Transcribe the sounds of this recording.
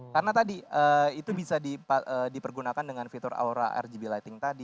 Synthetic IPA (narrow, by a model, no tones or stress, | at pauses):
kaɾənat̪adiəːit̪ubisadipaəːdipərɡunakandəŋanfit̪ʊɾa̰uɾa̰ʔɛ̰rd͡ʒibilajt̪ɪŋt̪adi